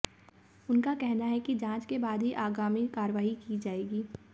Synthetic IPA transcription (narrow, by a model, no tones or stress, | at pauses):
ʊnkakɛɦnaɦɛkid͡ʒãːt͡ʃkebaːd̪ʱɦiʔaːɡaːmikaːɾəʋaːɦikid͡ʒaːeːɡiː